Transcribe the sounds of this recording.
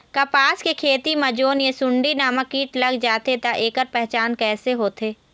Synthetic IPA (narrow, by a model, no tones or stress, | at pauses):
kɐpaːskekʰeːt̪imɐd͡ʒoːnjesʊ̃ɳɖinaːmɐkiːʈlɐɡd͡ʒaːt̪et̪aʔeːkəɾpɛɦt͡ʃaːnkɛːseɦoːt̪ʰeː